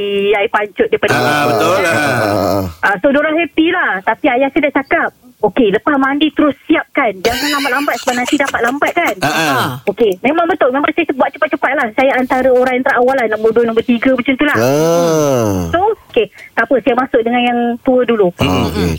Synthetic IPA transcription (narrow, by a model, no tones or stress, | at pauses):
iaipaɲt͡ʃʊt̪̚dajpadaaə | ʔasodoɾaɦepilaht̪apiajaksadaʔt͡ʃakap̚okeləpasmandit̪əɾʊsːiap̚kand͡ʒaŋanlambat̪̚lambat̪̚sə̥panasidapat̪̚lambat̪̚kanokemẽmãŋbət̪ʊlmemãŋsajasbuat̪̚t͡ʃə̥pat̪̚t͡ʃəpat̪̚lahsajaant̪aɾəoɾaŋjant̪əɾaʔawalahnaʔbuaduənõmbərt̪iɡəmət͡ʃənt̪ula | sooket̪apəsiap̚masʊk̚dəŋanjaŋt̪uədulu